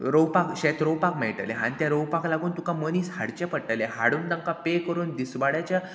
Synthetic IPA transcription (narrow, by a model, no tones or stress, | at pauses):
ɾowpakɕɛt̪ɾowpakmɛjʈə̰leɦãnit̪jaɾəwpaklaɡuːnt̪ukãməniːshaɽt͡ɕɛpəʈːəleɦaɽuːnd̪ãŋkapekəɾuːnd̪isʋaɽjat͡ɕja